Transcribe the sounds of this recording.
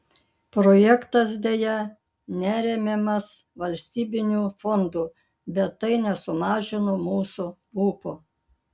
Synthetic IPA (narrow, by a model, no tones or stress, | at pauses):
pɾoːjɛkt̪ɐs̬d̪ʲejɛ | nʲæːɾʲɛmʲemɐsʋɐlʲsʲt̪ʲiːbʲɪnʲuːfɔnd̪uː | bʲɛt̪ːɐɪnʲɛsʊmɑːʒʲɪnomuːsu | uːpo